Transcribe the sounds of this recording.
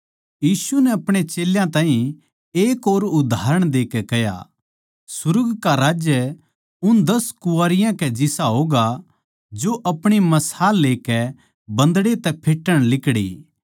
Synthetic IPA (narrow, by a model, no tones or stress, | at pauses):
jiːsunɛɐpɽ̃et͡ʃeːljãt̪ãːɦĩ | eːkoːɾʊd̪ʱaːɾəɽ̃d̪eːkɛkɛja̰ | sʊɾɡkaɾaːd͡ʒjə | ʊnd̪ɐskʊaːɾɪjãkɛd͡ʒɪsaɦoːɡa | d͡ʒoʔɐpɽ̃imɐsaːlːeːkɛ | bɐ̃nd̪ɽet̪ɛpʰeːʈːəɽ̃lɪkɽḭ